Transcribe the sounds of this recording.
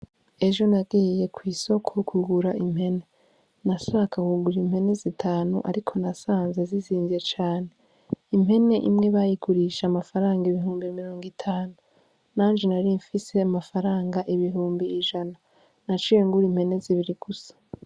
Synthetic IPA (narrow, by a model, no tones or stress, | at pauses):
e̞ʒo̞naɡiːje̞kʰwiːso̞kʰokuɡuɾaʔim̥he̞ne | nasaːkakuɡuɾim̥he̞ne̞zitʰaːnṵʔaɾikʰo̞nasaːnzeziziːnziet͡ʃaːne | imhe̞ne̞ʔḭmŋe̞βajiɡuɾiʃamafaɾaːŋɡaiβiɦuːmbimiɾo̞ːŋɡitʰaːnu | naːnd͡ʒenaɾiɱfise̞amafaɾaːŋɡaʔiβiɦuːmbiːʒana | nat͡ʃeŋɡuɾimhe̞ne̞ziβiɾiɡ̥usḁ